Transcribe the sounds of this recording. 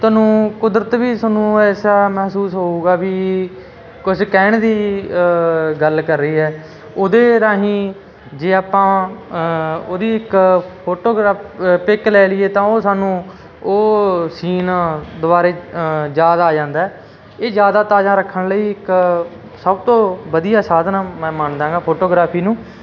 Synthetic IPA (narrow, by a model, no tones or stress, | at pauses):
t̪aːnũːkʊd̪ɾət̪biːsaːnũːɛːsaːmɛɦsuːsɦoːuːɡaːbiː | kʊskɛːɳd̪iː | ɡəlkəɾːəiːɦɛː | oːd̪eːɾaːɦĩː | d͡ʒeːaːpãː | oːd̪iːɪkpʰoːʈoːɡɾaːppɪklɛːlɪːeːt̪ãːoːsaːnũː | oːsiːnːd̪ʊbaːɾeːd͡ʒaːd̪aaːd͡ʒãːnd̪aːɛː | eːd͡ʒjaːd̪aːt̪aːd͡ʒãːɾəkʰːəɳləiːɪk | səbt̪õːbəd̪ijaːsaːd̪naːmɛ̃ːmənd̪ãːŋɡaːpʰoːʈoːɡɾaːpʰiːnũː